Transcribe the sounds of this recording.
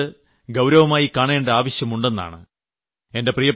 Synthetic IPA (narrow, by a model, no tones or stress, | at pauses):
ɨ | ɡɐwɾɐʋɐmaːjikaːɳeːɳɖeaːʋɐɕjɐmuɳɖe̞nːa̰ːɳɨ̰ | e̞nde̞prijɐ